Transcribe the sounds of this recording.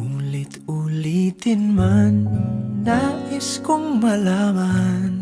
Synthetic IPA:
ulit̪ulit̪inmandaiskʊŋmalaban

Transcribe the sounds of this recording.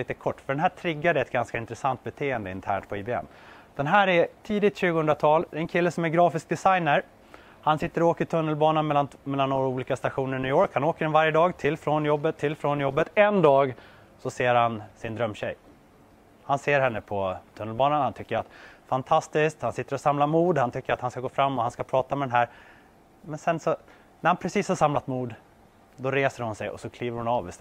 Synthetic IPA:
liːt̪əkʰɔʈːfœɖɛnɦæːʈʰɾɪɡːad̪ɛɛt̪̚ɡanskaɪnt̪ɾɛsant̪̚bɛt̪ʰeːənd̪əɪ̰nt̪ʰæ̰ːɳʈ̚pʰɔiːbeɛ̰mː | d̪̥ɛnɦæːɾæt̪ʰiːd̪ɪt̪ɕʉːɡəhɵnd̪ɾat̪ʰɑːld̪ɛɛnkʰɪlːəsɔmæɾɡɾɑːfɪsk̚d̪ɛsajnəɾ | hansɪt̪ːəɾɔoːkət̪ʰɵnːəlbɑːnanmɛlːanmɛlːanːoːɾauːliːkast̪aɧuːnəɾnyːjoːɾkhanoːkəɖɛnvaɾjəd̪ɑːɡt̪ʰɪlfɾɔnjɔbːət̪ʰːɪlːfɾonjɔbːət̪ɛnd̪ɑːɡ | sɔseːɾhansɪnd̪ɾœmːɕɛ̰j | hanseːɾɦɛnːəpʰɔt̪ʰɵnːəlbɑːnanhant̪ʰʏkːəɾat̪fant̪ʰast̪ɪsk̚t̪hansɪt̪ːəɾɔsamlamuːd̪hant̪ʰʏkːəɾat̪hanskaɡoːfɾamːɔhanskapʰɾɑːt̪amɛd̪ɛnɦæɾ | mɛnsɛnsɔ | næɾhanpʰɾɛsiːshaʂamlat̪muːd̪ | d̪ɔɾeːsəɾhʊnsɛjɔ̰sɔkʰliːvəɾhʊnɑːvɪs

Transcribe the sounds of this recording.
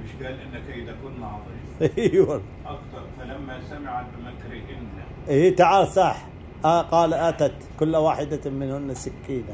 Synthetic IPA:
mɪʃɡaːlʔɪnːakajt̪akuːnːɑðˤi | ʔiwal | ʔakt̪ɑɾˤfalamːasamɪʕat̪bɪmakːɾiʔɪnːa | ʔiːt̪aʕɑɾsˤɑħ | ʔaqɑːlʔat̪at̪kʊlːawaːħɪd̪amɪnhʊnːasɪkːiːla

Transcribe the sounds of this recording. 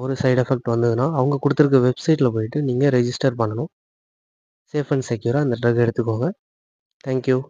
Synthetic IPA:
ɔɾɯsɐɪɖɛfɛk̚ʈʋɐnd̪ɯðɯnaːɐʋɐŋɡɐkʊɽɯt̪ːɯɾɯk̬ːɐʋɛbsɐɪʈːɪlɐpoːjɪʈːɯniːŋɡɐɾɛd͡ʒɪsʈɐɾpɐɳːɐnʊ̃ | seːfɐɳɖsɛkjuːɾaːɪnd̪ɐʈɾɐɣɛɽɯt̪ːɯkːoːŋɡɐ | t̪ʰaːŋkjuː

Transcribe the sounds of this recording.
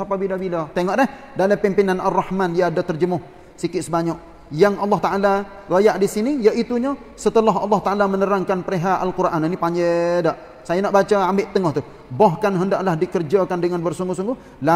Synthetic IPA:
apabilabilat̪eŋɔʔlɛh | daləpimpinanarːɑhmanijaːdat̪ərd͡ʒəmʊh | sikɪt̪səbaɲɔk̚ | jaŋʔɑlːɑht̪aʔala | rajaʔdisinijəʔit̪uɲa | sət̪əlaɦɑ̰lˠːɑht̪aʔalamənəɾaŋkanpəɾeɦaalkurʔaninipaɲɛdaʔ | sajanaʔbat͡ʃaambɪʔt̪əŋɔht̪u | baɦkanɦəndaʔlahdikərd͡ʒakandəŋanbərsuŋɡʊhsuŋɡʊh | la

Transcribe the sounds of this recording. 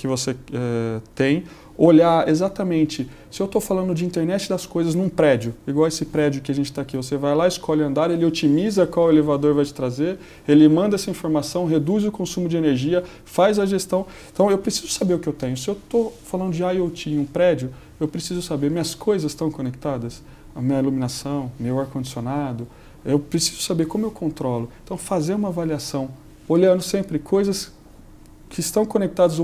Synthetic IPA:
kɪvoseɛt̪ẽj̃ | oʎaɾezat̪ɐmẽnt͡ʃɪ | sɪewt̪ofalɐ̃nd̪ʊd͡ʒɪĩnt̪eɾnɛt͡ʃɪd̪ɐskojzɐznũpɾɛd͡ʒʊiɡwawesɪpɾɛd͡ʒiʊkɪaʒẽnt͡ʃɪt̪aːkivosevajlaɪskɔʎɐ̃nd̪aɾelɪot͡ʃimizɐkwawelevad̪oɾvajt͡ʃɪ̥t̪ɾazeɾ | elɪmɐ̃nd̪ɐɛsɐĩfoɾmasɐ̃w̃ɦed̪uzʊkõsũmʊd͡ʒɪeneɾʒiɐ | fajzɐʒest̪ɐ̃w̃ | ẽt̪ɐ̃w̃ewpɾesizʊ̥sabeɾʊkɪewt̪ẽɲʊsɪewt̪ofalɐ̃nd̪ʊd͡ʒɪajewt͡ʃĩũpɾɛd͡ʒʊ | ewpɾesizʊsabeɾmĩɲɐskʰojzɐsst̪ɐ̃w̃kõnek̚t̪ad̪ɐs | ɐmĩɲɐilumĩnasɐ̃w̃mewaɾkõd͡ʒisionad̪ʊ | ewpɾesi̥zʊ̥sabeɾkõmʊewkʰõnt̪ɾɔlʊẽt̪ɐ̃w̃fazeɾũmɐavaliasɐ̃w̃ | oʎɐ̃nd̪ʊsẽmpɾɪkʰojzɐs | kʰɪst̪ɐ̃w̃kõnek̚t̪ad̪ɐz

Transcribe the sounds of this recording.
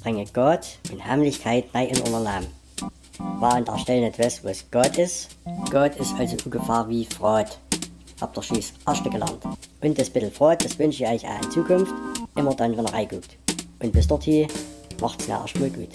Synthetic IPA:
b̥ʁɪŋəɡ̥ɔtʔʊnthamlɪçkʰaɪtnaɪʔɪnʔɔ̰nɐnlaːm | vaːʊntɐ̰ɐʃtɛlənɛtv̥asvo̰sɡ̥ɔtɪstɡ̥ɔtɪstʔalzoʔuɡəfɑːɐviːfʁ̥ɔːt | ha̰p̚d̥əʃiːsʔaʃtəɡ̥əlɛ̰ɐntʔʊntd̥ɛsb̥ɪtl̩fʁ̥ɔːt̚d̥asv̥ʏnʃiɔʏçʔa̰ɪnt͡suːkʰʊnftʔɪmɐdanvɛnəɐʁa̰ɪɡ̥uːktʔʊnt̚b̥ɪsd̥ɔthiːmʔa̰χtsna̰ʔa̰ʃtmuːlɡ̥uːt

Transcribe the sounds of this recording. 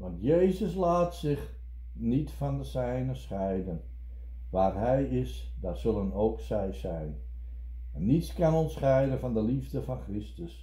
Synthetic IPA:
ʋɑntjejzəslaːtsɪx | nitfɔndəsɛjnəsχɛjdən | ʋaːrɦɛjɪs | datsɵlˠənowksɛjsɛjn | ɛnːitskanɔnsχɛjdənfɔndəlivdəfɔnkrɪstəs

